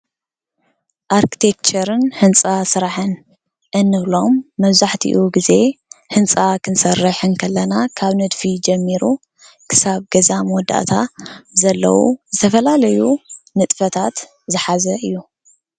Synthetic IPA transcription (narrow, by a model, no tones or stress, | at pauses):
ʔaɾkʰi̥t̪ʰek̚t͡ʃɐɾɨnhɨnt͡sʼasɨɾaħɨn | ʔɨnːɨβlo̞mːɐβzaħt̪ʰḭʔuɡize̞hɨnt͡sʼakʰɨnsɐrːɨħɨnkʰɐlːɐnakʰaβnɨd̪fid͡ʒɐmːiɾu | kʰɨ̥saβɡɐzamwɔd̪a̰ʔt̪ʰazɐlːɐ̰wṵzɨt̪ʰɐfɐlalɐjunɨt̪ʼfɐt̪ʰat̪ | zɨħazɐʔɨjːu